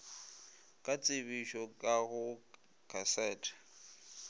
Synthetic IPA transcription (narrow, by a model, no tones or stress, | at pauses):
kʼat͡sʼɪβiʃɔkʼaɣʊ | kʰasɛːtʰḁ